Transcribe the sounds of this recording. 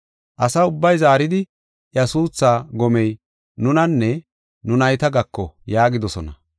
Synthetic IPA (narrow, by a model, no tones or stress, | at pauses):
ʔɐsɐʊbːɐjzaːɾɪd̪ɪ | ʔjɐsuːt͡sːaːɡɔmɛj | nʊnɐnːɛ | nʊnɐjt̪ɐɡɐkːɔjaːɡɪd̪ɔsɔnɐ